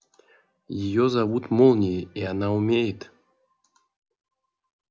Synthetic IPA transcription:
jɪjɔzavut̪mɔlˠnʲɪjianaumʲejɪt̪

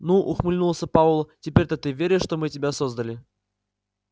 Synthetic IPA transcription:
nuʔʊxmɨlʲnulˠsʲəpaulˠtʲɪpʲeɾʲt̪ət̪ɨvʲeɾʲɪʂt̪omɨtʲɪbʲasozd̪əlʲɪ

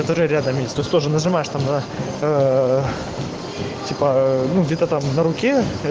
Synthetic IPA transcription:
ft̪ɐɾɨɾʲad̪əmʲesʲt̪oɪsʲt̪o̞ʐɨnəʐɨmajɪʂt̪amnɐ | tʲipənuɡdʲet̪ət̪amnɐɾʊkʲe

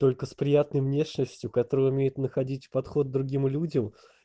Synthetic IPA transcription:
t̪o̞lʲkəspɾʲɪjat̪̚nəjvnʲe̞ʂnəsʲtʲjʊkɐt̪o̞ɾəjʊmʲejɪt̪nəxɐdʲitʲpɐt̪xo̞d̪̚d̪ɾʊɡʲimlʲudʲəm

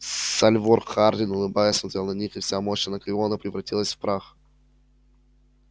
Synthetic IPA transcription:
salʲvorxardʲɪnʊlˠɨbajəsmɐzʲalˠnɐnʲixɨfsʲamoɕənəklʲɪonəpɾʲɪvɾɐtʲilˠəsʲfpɾax

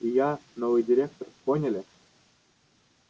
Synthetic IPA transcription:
ijɑnovɨjdʲiɾʲek̚t̪orponʲɘ̆lʲĕ

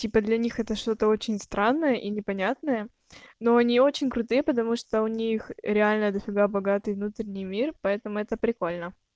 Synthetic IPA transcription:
tʲipəd̪lʲɐnʲixɛt̪əʂt̪o̞t̪əo̞t͡ɕɪnʲst̪ɾanːəjəʔinʲɪpɐnʲat̪nəjə | noɐnʲio̞t͡ɕɪnʲkɾʊt̪ɨjəpət̪ɐmuʂt̪oʊnʲixɾʲɪalʲnəd̪əfʲɪɡabɐɡat̪ɨjvnut̪ɾʲɪnʲɪjmʲirpɐɛt̪əmʊɛt̪əpɾʲɪko̞lʲnə

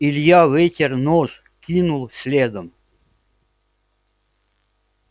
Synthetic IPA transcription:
ilʲjavʲetʲernɔʐ | kʲinulˠsʲlʲed̪əm

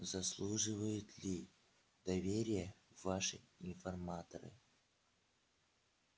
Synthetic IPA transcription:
zɐslˠuʐɨvəjʊt̪lʲi | d̪ɐvʲeɾʲɪjəvaʂɨ̰ɪnfɐrmat̪əɾɨ̰

